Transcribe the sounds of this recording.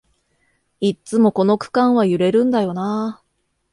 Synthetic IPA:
it͡sɨmo̞ko̞no̞kɯ̟̥kãɰ̃βajɯ̟ɾe̞ɾɯ̟̃nd̪ajo̞naː

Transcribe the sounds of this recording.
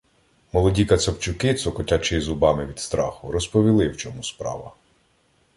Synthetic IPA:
mɔlˠɔdʲikɐt̪sɐpt͡ʃʊkɪt̪sɔkɔtʲat͡ʃɪjizʊbɑmɪʋʲid̪st̪ɾɑ̰xʊɾɔspɔʋʲilˠɪwt͡ʃɔmuspɾɑ̰ʋɐ̰

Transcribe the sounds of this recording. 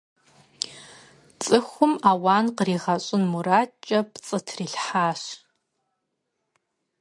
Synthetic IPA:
t͡sʼɨχʷʊmawaːnqəriːʁɐɕʼʊnmuɾaːt͡ʃʼɐpt͡sʼɨtʰriɬħaːʃ

